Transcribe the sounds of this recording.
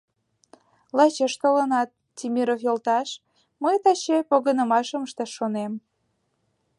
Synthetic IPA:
lɑt͡ɕeʃt̪olənɑt̪̚ | tʲimʲiɾofjolt̪ɑʃ | məjt̪ɑt͡ɕepoɣənəmɑʃəməʃt̪eʃonem

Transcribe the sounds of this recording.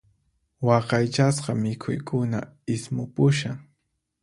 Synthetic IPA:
wɑqɑjt͡ʃas̬qɑmɪkʰʊjkʰʊna̰ | ɪsmʊpʊʃaŋ

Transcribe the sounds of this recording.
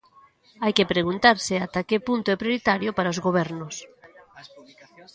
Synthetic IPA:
ajkepɾeɣ̞unt̪aɾsɪat̪akepunt̪oɛpɾjoɾit̪aɾjopaɾaozɣoβ̞ɛɾnʊs

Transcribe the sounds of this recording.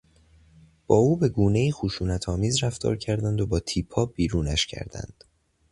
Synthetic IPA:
b̥ɒːuːbe̞ɡuːne̞jiːxuʃuːnæt̪ʰɒːmiːzræft̪ɒ̰ːɾcʰæɾd̪ænd̪o̞bɒːt̪ʰiːpʰːɒːbiːɾuːnæʃcʰæ̰ɾd̪æ̰nd̪̥

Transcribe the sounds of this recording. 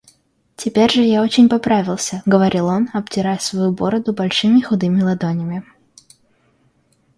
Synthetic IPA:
tʲɪpʲeɾʲʐɨjao̞t͡ɕɪnʲpɐpɾavʲɪlˠsʲəɡəvɐɾʲʔilˠo̞nɐbtʲɪɾajsvɐjubo̞ɾəd̪ʊbɐlʲʂɨmʲɪxʊd̪ɨmʲɪlˠɐd̪onʲɪmʲɪ

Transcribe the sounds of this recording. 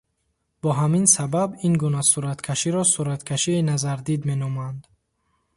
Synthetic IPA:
b̥ɔɦaminsababinɡunasuɾat̪kʰaʃiɾɔsuɾat̪kʰaʃiːnazaɾd̪id̪me̞nɔmand̪

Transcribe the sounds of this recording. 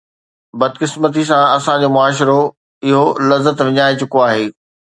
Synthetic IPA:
bɐd̪kɪsmət̪̬isãɐsãd͡ʑoːmʊaːʃ̬ɪɾo | ɪɦolɐzːət̪ʋɪɲaːet͡ɕʊkoaːɦeː

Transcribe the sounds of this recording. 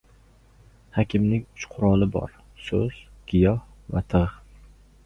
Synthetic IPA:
hɒkʲʰɪmnɪŋʲʊt͡ʃqʰʊɾɒlˠɪbɒ̰ɾ | sɵ̰z̥ɡ̥ɪjɒh | vat̪ʰɨʁ

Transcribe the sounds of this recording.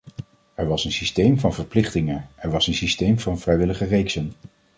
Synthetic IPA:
ɛɹʋɑsənsistejmvɑnvəɹplɪχtɪŋənʔɛɹʋɑsənsistejmvɑnvrɛjʋɪləχərejksən

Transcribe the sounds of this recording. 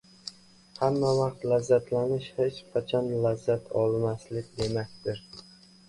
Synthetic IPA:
hamːavɑq̚t̪lazːat̪ʰlanɪʃhet͡ʃqʰɑt͡ʃʰɒnlazːat̪ʰɒlˠmaslɪkʲd̪e̞makʲt̪ɪɾ

